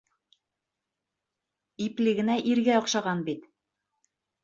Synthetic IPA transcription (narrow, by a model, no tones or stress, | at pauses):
iplɘ̆ɡɘ̆næʔiɾɡæɒ̆qʃɑʁɑnbit̪